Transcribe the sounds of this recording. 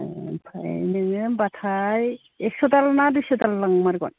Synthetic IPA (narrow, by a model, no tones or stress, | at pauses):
pʰa̰jnɯŋɯmbatʰaj | ɛksɔtalnadusɔtalːaŋmaɾkɔ̰n